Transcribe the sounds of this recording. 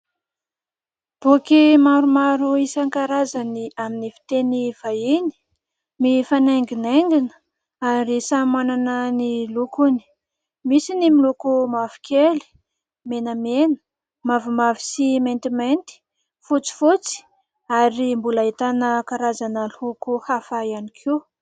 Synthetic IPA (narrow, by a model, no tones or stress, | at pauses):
b̥ukimaɾumaɾuisaŋkaɾazaniaminifi̥t̪eniv̥aini̥ | mifaneŋɡineŋɡinə̥ | anresamananənilukuni̥ | misinimilukumavi̥kʰeli̥ | menəmenə̥ | mavumavi̥siment̪imejnt̪i̥ | fut͡si̥fut͡si̥ | aɾimbulait̪anəkaɾazanəlukuhafaianikʰe